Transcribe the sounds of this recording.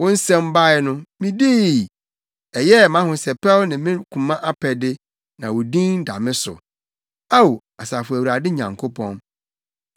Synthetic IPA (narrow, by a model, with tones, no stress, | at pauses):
wɔ̃˦n̩˦sɛ̃˦m˦ba˦ɪ˦nʊ̃˦mĩ˦di˦˨ | ɛ˨jɛ˦˨mã˦hʊ̃˨sɛ˨pʰɛ˦lnɪ̃˨mɪ̃˦kʰũ˨mã˦ʔa˦pʰɛ˨dɪ˦ | nã˨wʊ˨dĩ˦n˦da̰˨mɪ̃˦sʊ̰˨ | a˦wo˨ | a˨saː˨fʊ˨æ˨wu˨ɾa˨dɪ˦ɲã˨ŋkʰo˦pʰɔ̰̃˦n